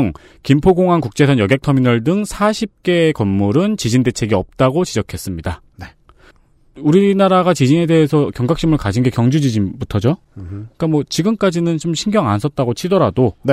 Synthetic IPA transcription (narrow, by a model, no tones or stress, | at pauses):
ŋ | kimpʰoɡoŋɦankuk̚t͡ɕ͈e̞sʰʌnjʌɡek̚tʰʌminʌɭdɯŋsʰaɕʰip̚k͈e̞kʌmːuɾɯnt͡ɕid͡ʑinde̞t͡ɕʰe̞ɡiʌp̚t͈aɡot͡ɕid͡ʑʌkʰe̞s͈ɯmɲida | e | uɾinaɾaɡat͡ɕid͡ʑine̞de̞ɦesʰʌkjʌŋɡak̚ɕ͈imɯɭkaɕʰinɡe̞kjʌŋd͡ʑud͡ʑid͡ʑinbutʰʌd͡ʑo | k͈amwʌt͡ɕiɡɯmk͈ad͡ʑinɯnt͡ɕomɕʰinɡjʌŋansʰʌt̚t͈aɡot͡ɕʰidʌɾado